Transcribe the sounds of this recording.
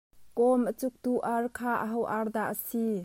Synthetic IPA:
kɔmʔət͡suk̚t̪uʔarkʰaːʔəɦɔwʔard̪aʔəsi

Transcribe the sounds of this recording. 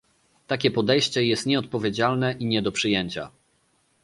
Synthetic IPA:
t̪akʲɛpɔd̪ɛjɕt͡ɕɛjɛst̪ɲɛɔt̪̚pɔvʲjed͡ʑalnɛʔiɲɛd̪ɔpʂɘjɛɲt͡ɕa̰

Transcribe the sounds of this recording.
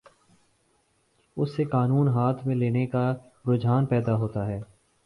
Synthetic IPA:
ʊsːekaːnuːnɦaːt̪ʰmẽleːneka | pɾʊd͡ʒʱaːnpɛːd̪aɦoːt̪aɦɛː

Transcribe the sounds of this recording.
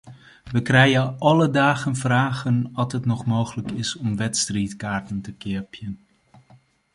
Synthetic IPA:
ʋəkrɛjəʔɑlədaːχənvraːχənɑtɦətnɔχmowχələkɪsɔmʋɛtstriːtkaːɹtəntəkɪːɹpjən

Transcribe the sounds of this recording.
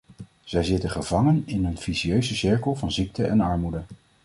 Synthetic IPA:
z̥ɛjzɪtəχəvɑŋənɪnənv̥iziøɥzəsɪɹkəlˠvɑnzik̚təʔɛnɑɹmudə

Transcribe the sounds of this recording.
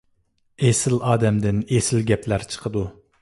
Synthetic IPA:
esɪlɑːd̪ɛmd̪ɪnesɪlɡʲɛplæɾt͡ʃʰə̥qʰəd̪u

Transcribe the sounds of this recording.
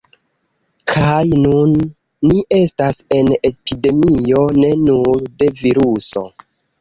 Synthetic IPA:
kʰajnunː | iʔe̞stase̞ne̞pʰide̞mio̞ne̞nuɾde̞viɾuso̞̰

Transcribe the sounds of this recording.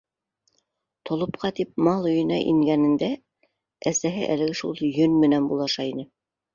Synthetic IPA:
t̪ʰŏlˠŏpqɑt̪ip̚mɑlˠɵ̆jɤ̆nɑ̰ʔḭŋɡænɘ̆nd̪æ | æsæɦɘʔæ̰lɘ̆ɡɘʃṵlˠjɵnmɘ̆nænbulˠɑʃɑinɘ

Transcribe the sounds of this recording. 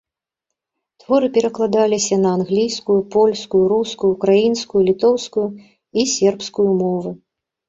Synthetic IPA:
t̪vɔɾɨpʲɛɾɐklˠad̪alʲisʲɐnɐanɣlʲijskujupɔlʲskujuɾuskujukɾajinskujulʲit̪ɔwskuju | isʲɛrpskujumɔvɨ

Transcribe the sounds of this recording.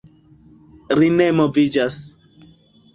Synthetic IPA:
ɾinemovid͡ʒas

